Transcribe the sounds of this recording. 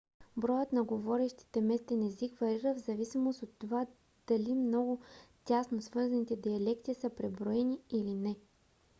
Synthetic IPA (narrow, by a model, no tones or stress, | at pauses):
bɾɔjət̪nɐɡovɔɾɛʃt̪i̥t̪ɛmɛst̪ɛnɛzikvɐɾiɾəvzɐvisimost̪ot̪ːova | d̪̥ɐlimnɔɡʊt̪ʲasnosvɤɾzɐnit̪ɛd̪iɐlɛkt̪iːsəpɾɛbɾoɛniilinɛ